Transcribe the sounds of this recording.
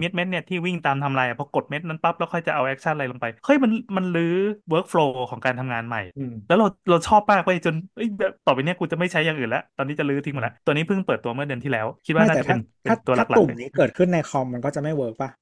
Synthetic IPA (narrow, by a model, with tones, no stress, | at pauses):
mi˦˥t̪̚me˦˥t̪ni˥˩ɐt̪ʰiː˥˩wi˥˩ŋt̪aː˧mt̪ʰa˧mlaː˧jʔa˨˩pʰɔ˧ko˨˩t̪̚me˦˥t̪̚na˦˥npa˦˥p̚lɛ˦˥wkʰɔ˥˩jt͡ɕa˨˩ʔa˧wʔɛː˦˥k̚t͡ɕʰa˥˩nla˧jlo˧ŋpa˧jkʰɤ˥˩jma˧nma˧nlɯː˦˥wɤː˦˥k̚fʰloː˧kʰɔː˩˦ŋkaː˧nt̪ʰa˧mŋaː˧nma̰˨˩jlɛː˦˥wɾa˧wɾa˧wt͡ɕʰɔː˥˩p̚ːaː˥˩k̚wo˧˥˩t͡ɕo˧nʔɤ˦˥˩jbɛː˨˩p̚t̪ɔː˨˩pa˧jni˥˩ɐkuː˧t͡ɕa˨˩ma˥˩jt͡ɕʰa˦˥ja˨˩ŋʔɯː˨˩nlɛ˦˥ʔt̪ɔː˧niː˦˥˩t͡ɕa˨˩lɯː˦˥t̪ʰi˧ŋm˨˩lɛ˦˥t̪u˧niː˦˥pʰɯ˥˩ŋpɤː˨˩t̪ːu˧ɐmɯ˥˩ɐdɯ˧ənt̪ʰiː˥˩lɛː˦˥wkʰi˦˥waː˥˩nː˥˩˨t͡ɕpe˧npe˧ntt̪u˧ɐla˥˩kla̰˨u˨˩˧mniː˦˥kɤː˨˩t̪̚kʰɯ˥˩nːa˧jxʰɔ˧mːa˧nkɔː˥˩t͡ɕa˨˩ma˥˩jwɤː˦˥k̚pa˧˥˩